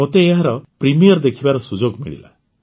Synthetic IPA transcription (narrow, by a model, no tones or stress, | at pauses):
ot̪eːɦaɾɔpɾimijɔɾd̪ekʰibaɾɔsud͡ʒoɡmḭɭḭla̰